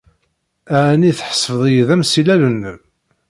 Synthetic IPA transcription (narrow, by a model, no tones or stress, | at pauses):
æʕniθħə̥sˤːfəðˤjəðæmsilælənː